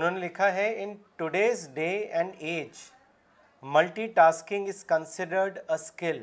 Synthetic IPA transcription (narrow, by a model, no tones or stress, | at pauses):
ʊnənlɪkʰaɦɛɪ̃nʈʊɖeːzɖeːɛ̃ɳɖeːd͡ʒ | mɐlʈiʈaːskɪ̃ŋɡɪzkə̃nsɪɖəɾɖəskɪl